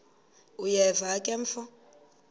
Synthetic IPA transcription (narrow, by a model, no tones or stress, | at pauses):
ujɛvakʼɛɱfɔ